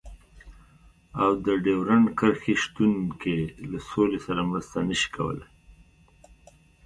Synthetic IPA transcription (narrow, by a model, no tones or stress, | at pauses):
awd̪əɖewɾankəɾxeʃt̪unkelasolesaɾamɾəst̪anəʃi̥kʰa̰wə̰la